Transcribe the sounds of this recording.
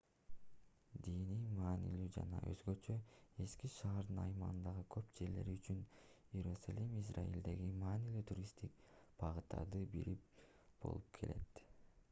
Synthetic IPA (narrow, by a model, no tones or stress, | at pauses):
d̪inimɑːnḭlyːd͡ʒɑnɑʔø̞̰zɡø̞t͡ʃøe̞skiʃɑːɾd̪ɯnɑjmɑʁɯnd̪ɑʁɯkʰø̞pd͡ʒe̞ɾle̞̰ɾiyt͡ʃynjeɾusalʲimis̬ra̰jḭld̪e̞ɡimɑːnilyːt̪ʰuɾʲist̪ik̚b̥ɑʁɯt̪ɑ̰d̪ɯbiɾip̚ | b̥o̞̰lˠup̚kʰe̞̰le̞̰t̪